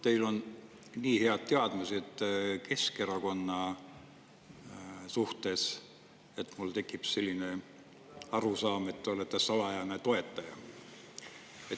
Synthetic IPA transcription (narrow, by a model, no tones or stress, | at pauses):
t̪e̞jlo̞n | niːhe̞ɑd̪̥̚t̪e̞ɑd̪̥mesed̪̥ke̞ske̞ɾɑko̞nːɑ | suht̪e̞s | e̞t̪mult̪e̞kːˑipse̞lʲːine̞ | ɑɾusɑːme̞t̪ːeo̞let̪ːˑesɑlɑjɑnet̪o̞e̞t̪ːˑɑjɑ | et̪